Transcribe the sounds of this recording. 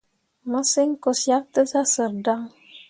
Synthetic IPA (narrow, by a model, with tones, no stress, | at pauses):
mə˦si˦ŋko˨sja˦k̚t̪ə˦sa˦sə˨ɾda˦ŋ